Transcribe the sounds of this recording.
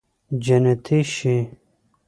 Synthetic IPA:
d͡ʑɐnet̪ʰiɕi

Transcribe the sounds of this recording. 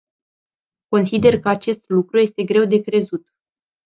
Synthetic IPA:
ko̞nsid̪e̞rkəat͡ʃe̞st̪lukɾuje̞st̪e̞ɡɾe̞wd̪e̞kɾe̞zut̪

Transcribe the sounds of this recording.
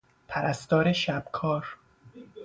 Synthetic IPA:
pʰæɾæst̪ɒːɾeʃæb̥̚kʰɒːɾ

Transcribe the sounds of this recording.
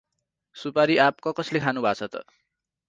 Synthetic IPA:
supaɾiʔap̚kʌkʌslekʰanubʱat͡sʰʌt̪ʌ̰

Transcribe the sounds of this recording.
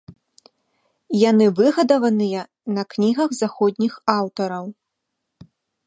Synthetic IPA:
janɨvɨɣɐd̪ɐvɐnɨjɐ | nɐknʲiɣɐɣzaxɔd̪ʲnʲixawt̪ɐɾɐw

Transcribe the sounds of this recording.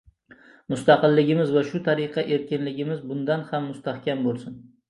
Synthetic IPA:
mʊst̪aqɨlːɪɡʲɪmɪzvaʃʊt̪ʰaɾɪqʰɑʔe̞ɾkʲɪnlɪɡʲɪmɪzbʊnd̪anhamːʊst̪ahkʲambolˠsʊn

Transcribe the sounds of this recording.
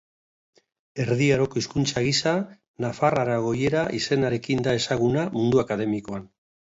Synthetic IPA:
e̞ɾðiaɾo̞ko̞iskunt͡saɣisa | nafaraɾaɣ̞o̞je̞ɾaʔise̞naɾe̞kind̪ae̞saɣ̞unamund̪uakaðe̞miko̞an

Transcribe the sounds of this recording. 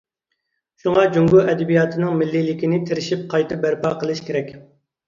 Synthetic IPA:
ʃuŋɑd͡ʒuŋɡuʔɛd̪ɪbijɑːt̪ʰɨnɨŋmɪlːilɪkʲinɪt̪ʰeɾɪʃip̚qʰɑjt̪ɨbæɾpɑːqəlˠɨʃkʲeɾɛkʲ

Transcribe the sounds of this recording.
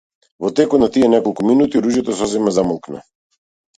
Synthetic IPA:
vɔt̪ɛkɔt̪nat̪iɛnɛkɔlˠkuminut̪iɾuʒjɛt̪ɔsɔzɛmazamɔlˠknɛ̰

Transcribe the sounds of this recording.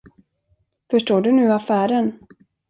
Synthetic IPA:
fœʂʈoːɖɵnʉ̟ːafæːɾən

